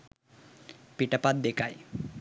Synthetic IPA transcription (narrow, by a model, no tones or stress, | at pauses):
piʈapad̪̚d̪ekʰaj